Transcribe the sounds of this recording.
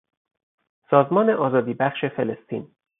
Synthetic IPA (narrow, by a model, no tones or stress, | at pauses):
sɒːzmɒːneʔɒːzɒːd̪iːbæχʃe̞felest̪ʰḭːn